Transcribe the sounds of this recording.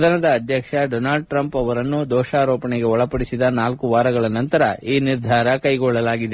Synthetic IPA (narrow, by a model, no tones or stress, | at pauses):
d̪ʱɐnɐd̪ɐːd̪ʱjɐkʂɐɖoːnaːlɖ̚ʈɾɐmpɐʋɐɾɐnːud̪ɔːʃaːɾoːpɐɳeɡe̞ɔɭɐpɐɽisid̪ɐnaːlkuʋaːɾɐɡɐɭɐnɐnt̪ɐɾɐʔiːniɾd̪ʱaːɾɐkɐjɡɔɭːɐlaːɡid̪e